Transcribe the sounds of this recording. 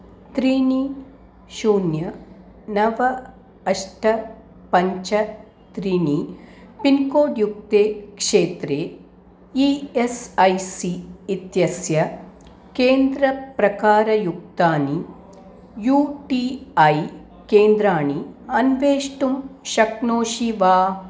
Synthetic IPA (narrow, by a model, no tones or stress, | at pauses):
t̪ɾiːɳi | ʃuːnjɐ | nɐʋɐː | ʂʈɐ | pɐɲt͡ʃɐ | t̪ɾiːɳipinkoːɖjuk̚t̪eːkʂeːt̪ɾeː | iesɐjsiːt̪jɐsjɐ | keːnd̪ɾɐpɾɐkaːɾɐjuk̚t̪aːni | juːʈiɐj | keːnd̪ɾaːɳiɐnʋeːʂʈumʃɐknoːʃiʋaː